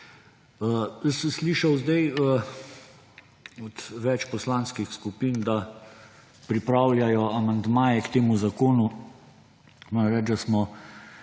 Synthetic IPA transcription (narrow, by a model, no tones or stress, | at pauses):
əjəsəmsliːʃɐwzd̪ɛjə | ɔt̪ʋɛt͡ʃpɔslanskixskupiːnd̪a | pɾipɾawljajɔamand̪maːjɛkt̪eːmuzakoːnu | mɔːɾɐmɾɛd͡ʒd̪asmɔ